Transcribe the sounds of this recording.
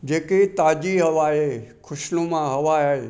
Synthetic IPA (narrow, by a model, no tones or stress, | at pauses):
d͡ʒeːket̪aːd͡ʒiɦɐʋaːekʰʊʃlũmãɦɐʋaːae